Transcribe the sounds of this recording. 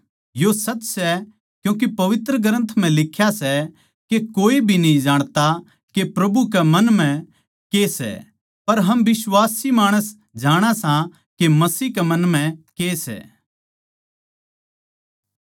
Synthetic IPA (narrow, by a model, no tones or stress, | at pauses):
josɐt͡ʃːsɛ | kjũːk̬epɐʋɪt̪ɾəɡəɾə̃nt̪ʰm̤ɛ̃lɪkʰjasɛ | kekoːibʱinɐĩd͡ʒaːɽ̃t̪a | kepɾɐbukɛmɐnm̤ɛ̃ | keːsɛ̰ | pɐɾɦɐmʋɪswaːsimaːɽ̃əs | d͡ʒaːɽ̃asã | kemɐsiːkɛmɐnm̤ɛ̃keːsɛ̰